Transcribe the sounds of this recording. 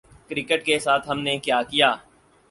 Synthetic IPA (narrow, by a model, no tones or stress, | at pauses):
kɾɪkəʈkesaːt̪ʰɦɐmnekjaːkijaː